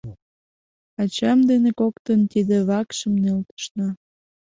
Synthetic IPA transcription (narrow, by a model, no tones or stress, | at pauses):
ɑt͡ɕɑmd̪enekokt̪ənt̪id̪eβɑkʃə̆mnelt̪ə̥ʃnɑ